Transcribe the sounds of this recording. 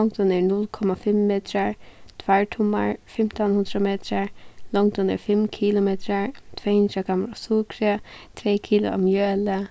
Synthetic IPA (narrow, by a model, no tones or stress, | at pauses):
ɔŋkd̪ɔnɛɹnʊlkʰɔmafɪmːeːt̪ɾaɹt̪ʰvaɹt̪ʰʊma̰ɹfɪm̥t̪anhʊnd̪ɾameːt̪ɾaɹlɔŋkd̪ɔnɛ̰ɹfɪmkʰiːlʊmet̪ɾaɹt̪ʰv̥ɛhɪnd̪ɾaɡamɾasukɾət̪ʰɾɛːjkʰiːlʊ̰a̰mjœːlə